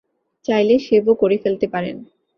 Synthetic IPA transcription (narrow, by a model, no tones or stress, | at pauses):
t͡ɕajleʃebokoɾefelt̪epaɾḛn